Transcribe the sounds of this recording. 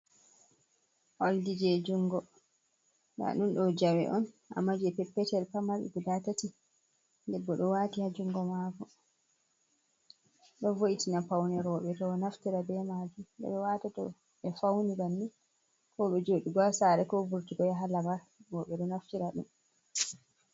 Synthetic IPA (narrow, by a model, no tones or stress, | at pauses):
ʔoldid͡ʒɛd͡ʒuŋɡɔ | na̰ɗunɗɔd͡ʒawɛ̰ʔɔn | ʔa̰mːad͡ʒɛpɛpːɛtɛɾpamaɓɛ̰ɡudatati | dɛbːɔɗɔwatihad͡ʒuŋɡɔmakɔ | ɗɔvoʔitinapawnɛɾɔɓɛtɔnaftiɾabɛmad͡ʒumdɛ̰ɓɛwatatɔ | ɓɛfawnibanːi | kɔɓɛd͡ʒoːɗiɡasaɾɛkɔvuɾtiɡɔjaɦalamaɾ | wɔɓɛɗɔnaftiɾaɗṵm